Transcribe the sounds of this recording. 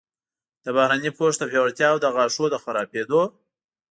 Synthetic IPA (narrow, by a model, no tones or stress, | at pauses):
d̪̥əbahɾanipoʂd̪əpewaɽt̪jɑwd̪əɣɑʂod̪əxaɾɑped̪o